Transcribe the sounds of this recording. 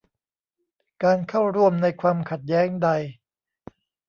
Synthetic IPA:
kaː˧nkʰa˥˩wɾu˥˩əmna˧jkʰwaː˧mkʰa˨˩t̪̚jɛː˦˥ŋda˧j

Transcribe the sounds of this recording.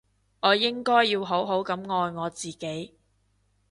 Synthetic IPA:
ŋɔː˨˧jɪ˥ŋkɔː˥jːiː˧wɦo˨˥wɦo˨˥wkɐ˨˥mŋɔː˧jŋɔː˨˧t͡siː˨ke˨˥j

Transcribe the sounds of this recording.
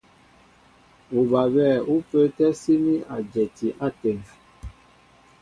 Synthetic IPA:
u˨ba˨bɛ˦˨u˦pə˦tɛ˦si˦mi˦a˨d͡ʒɛ˨ti˨ʔa˦tɛ˨ŋ

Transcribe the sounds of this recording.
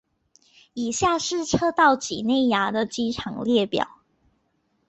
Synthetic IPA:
i˨˩ɕja˥˧ʂɻ̩˥˨ʈ͡ʂʰɤ˥t̪ɑ˥˩ʊt͡ɕḭ˨˩ne˥˩ɪja˧˥d̪ə˨t͡ɕi˥ʈ͡ʂʰɑ˨˩ŋljɛ˥˩pjɑ̰˨˩˦ʊ

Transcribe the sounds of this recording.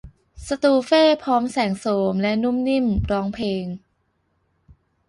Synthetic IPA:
sa˧t̪uː˧feː˥˩pʰɔː˦˥msɛː˩˦ŋsoː˩˦mlɛ˦˥ʔnu˥˩˨mni˥˩mɾɔː˦˥ŋpʰeː˧ŋ

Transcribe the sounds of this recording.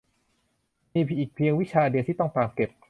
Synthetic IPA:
miː˧pʰʔiː˨˩k̚pʰi˧əŋwi˦˥t͡ɕʰaː˧di˧ət̪ʰiː˥˩ɔ˥˩ŋt̪aː˨˩t̚ke˨˩p̚

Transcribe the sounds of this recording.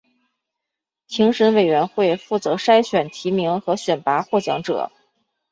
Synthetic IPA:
t͡ɕʰi˧˥ŋʂə˧˥nwe˨˩ɪɥɛ˧˥nxwe˥˧ɪfu˥˩t͡sɤ˧˥ʂa˥ɪɕɥɛ˨˩nt̪ʰi˧˥mi˧˥ŋxɤ˧˥ɕɥɛ˨˩npa˧˥xwɔ˥˩t͡ɕjɑ̰˧˥ŋʈ͡ʂɤ̰˨˩˦

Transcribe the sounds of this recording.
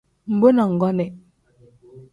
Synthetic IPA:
m̩˨bo˦na˨ŋ̩˨ɡɔ˦nɛ˨

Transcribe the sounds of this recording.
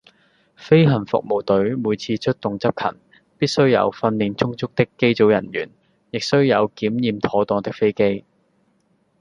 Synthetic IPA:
fe˥jɦɐ˨˩nfʊ̰˨k̚mo˨˩wt̪ɵ˨˥ɥmuː˨˧jt͡sʰiː˧t͡ʃʰɵ˥t̚t̪ʊ˨ŋt͡sɐ˥p̚kʰɐ̰˨˩n | piː˥t̚sɵ˥ɥjɐ̰˨˧wfɐ˧nliː˨˧nt͡sʊ˥ŋt͡sʊ˥k̚t̪ɪ˥kːe˥jt͡so˨˥wjɐ˨˩njy̰ː˨˩n | jɪ˨k̚sɵ˥ɥjɐ˨˧wkiː˨˥mjiː˨˧mt̪ʰɔː˨˥t̪ɔː˧ŋt̪ɪ˥k̚fe˥jke˥j

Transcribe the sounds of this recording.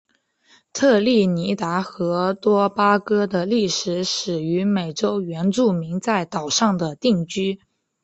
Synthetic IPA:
t̪ʰɤ˥˧li˥˩ni˧˥t̪a˧˥xɤ˧˥t̪wɔ˥pa˥kɤ˥d̪ə˨li˥˩ʂɻ̩˧˥ʂɻ̩˨˩y˧˥me˨˩ɪʈ͡ʂo˥ʊɥɛ˧˥nʈ͡ʂu˥˩mi˧˥ŋt͡sa˥˩ɪt̪ɑ˨˩ʊʂɑ˥˩ŋd̪ə˩t̪i˥˩ŋt͡ɕy˥

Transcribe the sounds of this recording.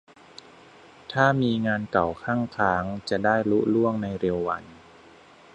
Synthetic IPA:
t̪ʰaː˥˩miː˧ŋaː˧nka˨˩wkʰaː˥˩ŋkʰaː˩˦ŋt͡ɕa˨˩daː˥˩jlu˦˥lu˥˩əŋna˧jɾe˧wːa˧˦n

